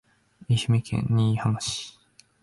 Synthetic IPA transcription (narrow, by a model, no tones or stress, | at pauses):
iɕimikʰḛ̃ɲːiːhamaɕi̥